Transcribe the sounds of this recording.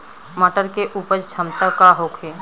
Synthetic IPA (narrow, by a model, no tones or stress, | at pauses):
məʈəɾkeʔuːpəɾt͡ʃʰəmt̪akaɦokʰeː